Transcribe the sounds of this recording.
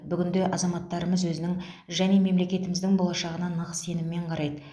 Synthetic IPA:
bʏɡʲɪnd̪e̞ʔɑzɑmɑt̪ːɑɾəməzwɵzɪnɪŋ | ʒæne̞me̞mle̞kʲe̞t̪ɪmɪzd̪ɪŋbo̞lˠɑʃɑʁənɑnɑʁəsse̞nɪmɪmːe̞ɴqʰɑɾɑjd̪ə

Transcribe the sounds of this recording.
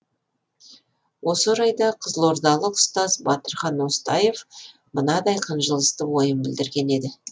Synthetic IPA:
wʔo̞səɾɑjd̪ɑqʰəzəlˠo̞ɾd̪ɑlˠəqʊ̥st̪ɑzbɑt̪əɾχɑnʊst̪ɑje̞v | mənɑd̪ɑjqʰənʒəlˠəst̪əwo̞jəmbɪld̪ɪɾɡʲe̞ne̞d̪ɪ

